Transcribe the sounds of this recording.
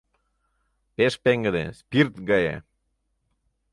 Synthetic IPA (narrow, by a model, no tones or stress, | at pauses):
peʃpeŋɡəd̪ḛspirt̪ɡɑjḛ